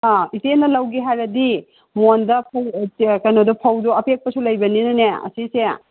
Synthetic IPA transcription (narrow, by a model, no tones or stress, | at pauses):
aitenɐlɐwɡiɦajɾɐdi | mondɐp̚ʰɐwkɐjnɔdɔpʰɐwdɔɐpʰek̚pɐsulɐjbɐninɐneɐ̰sise